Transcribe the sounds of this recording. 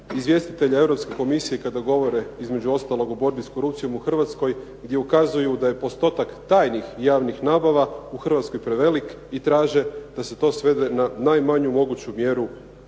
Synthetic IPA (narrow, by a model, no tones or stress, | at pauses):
izʋje̞st̪it̪eʎae̞ʋɾo̞pske̞ko̞misije̞kad̪aɡo̞ʋo̞ɾe̞izme̞d͡ʑuo̞st̪alˠo̞ɡobo̞ɾbisko̞ɾupt̪sijo̞muxr̩ʋat̪sko̞j | ɡd̪jeukazujud̪aje̞po̞st̪o̞t̪akt̪aːjnixjaːʋnixnaːbaʋauxr̩ʋat̪skojpɾe̞ʋe̞lik | it̪ɾaːʒe̞d̪̥aset̪o̞ːsʋe̞d̪e̞nanajmaɲumo̞ɡut͡ɕumje̞ɾu